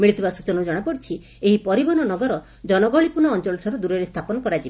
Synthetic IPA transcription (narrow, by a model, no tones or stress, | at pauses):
miɭit̪ʰibasut͡ʃɔnɔd͡ʒɔɽ̃apɔɽt͡ʃʰi | eɦipɔɾibɔnɔnɔɡɔɾɔ | d͡ʒɔnɔɡɔɭipunɔːnt͡ʃɔɭɔʈʰɔɾud̪uɾeɾest̪ʰapɔnɔkɔɾad͡ʒib